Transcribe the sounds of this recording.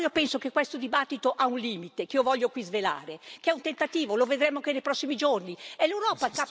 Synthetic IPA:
iopɛnsokekːwest̪od̪ibat̪ːit̪oʔaunliːmit̪ekiːovɔʎːokwizvela̰ːɾekeɛunt̪ent̪at̪iːvoloved̪ɾemːoakenejpɾɔsːimid͡ʒorniɛlewɾɔːpaka

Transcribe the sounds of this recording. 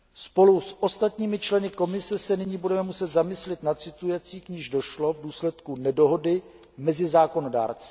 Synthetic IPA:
spo̞lusʔo̞st̪at̪ɲiːmɪt͡ʃlɛnɪko̞mɪsɛsɛnɪɲiːbudɛmɛmusɛt̪zamɪslɪt̪natt͡sɪt̪ujɛt͡siːkɲiːʒdo̞ʃlo̞vduːslɛt̪kunɛdo̞ɦo̞dɪ | mɛzɪzaːko̞no̞da̰ːɾt͡sɛ̥

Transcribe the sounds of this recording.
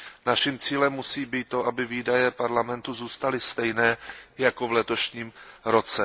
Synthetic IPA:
naʃɪmt͡siːlɛmːusiːbiːt̪ːoʔabɪviːdajɛpaɾlamɛnt̪uzuːst̪alɪst̪ɛjnɛːjako̞vlɛt̪o̞ʃɲiːmɾo̞t͡sɛ

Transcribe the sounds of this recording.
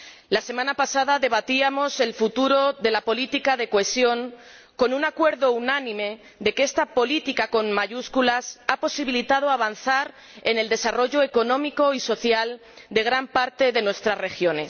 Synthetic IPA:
lase̞mãnapasaðaðe̞β̞at̪iamo̞se̞lfut̪uɾo̞ðe̞lapo̞lit̪ikaðe̞koe̞sjo̞ŋ | ko̞nunakwe̞ɾðo̞unanĩme̞ | ðe̞ke̞st̪apo̞lit̪ikako̞nmaʝuskulasapo̞siβilit̪að̞oaβ̞an̟θaɾ | e̞ne̞ld̪e̞saro̞ʝo̞eko̞nõ̞miko̞iso̞θjal | d̪e̞ɣ̞ɾampaɾt̪e̞ðe̞nwe̞st̪ɾazre̞xjo̞ne̞s

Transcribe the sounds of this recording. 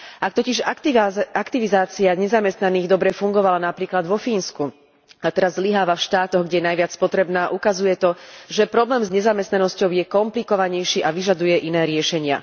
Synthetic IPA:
ʔak̚t̪ɔciʒ | akt̪iʋizaːt͡siaɲɛzamɛst̪naniːɣd̪ɔbɾɛfuŋɡɔʋalanapɾiːklad̪ʋɔfiːnsku | at̪ɛɾazːliɦaːʋafʃt̪aːt̪ɔɣɡɟɛjɛnajʋɪat͡spɔt̪ɾɛbnaːʔukazujɛt̪ɔʒɛpɾɔblɛːmzɲɛzamɛst̪nanɔscɔʊjɛkɔmplikɔʋaɲɛjʃiːʔaʋiʒad̪ujɛʔinɛːɾɪɛʃɛɲɪa̰

